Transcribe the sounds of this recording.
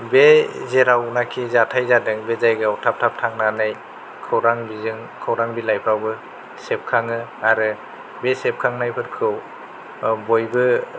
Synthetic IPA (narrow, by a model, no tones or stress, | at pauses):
bezeɾawnakʰizatʰajzadɯŋbezajɡɯawtʰap̚tʰap̚tʰaŋnanaj | kʰɯwɾaŋbizɯŋ | kʰawɾaŋbilajpʰɾawbɯ | sep̚kʰaŋɯaɾɯ | besep̚kʰaŋnajpʰɯɾkʰɯw | bojbɯ